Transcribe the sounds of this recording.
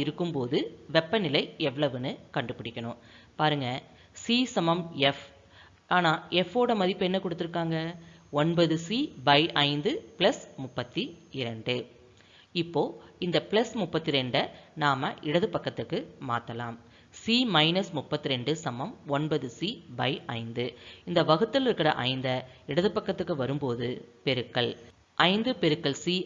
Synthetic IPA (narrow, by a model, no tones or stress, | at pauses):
ɪɾɯkːɯmpoːðɯʋɛpːɐnɪlɐɪɛʋːɐɭɐʋɯnɯkɐɳɖɯpɪɽɪkʲːɐɳʊ̰̃m | paːɾɯŋɡɐ | siːsɐmɐmɛf | aːnaːɛfoːɽɐmɐðɪpːɛnːɐkɔɽɯt̪ːɯɾɯkːaːŋɡɐɔɳbɐðɯsiːbɐɪʔɐɪnd̪ɯplɐsmʊpːɐt̪ːiɪɾɐɳɖɯ | ɪpːoːɪnd̪ɐplɐsmʊpːɐt̪ːiɾɛɳɖɐnaːmɐʔɪɽɐðɯpɐkːɐt̪ːɯkːɯma̰ːt̪ːɐla̰ːm | simɐɪnɐsmʊpːɐt̪ːiɾɛɳɖɯsɐmːɐmɔɳbɐðɯsiːbɐɪʔɐ̰ɪnd̪ɯɪnd̪ɐʋɐɣɯt̪ːɯlɪɾɯkːɪɾɐ̰ʔɐ̰ɪnd̪ɐɪɽɐðɯpːɐkːɐt̪ːɯkːɯʋɐɾɯmpoːðɯpɛɾɯkːɐɭ | ʔɐɪnd̪ɯpɛɾɯkːɐɭsi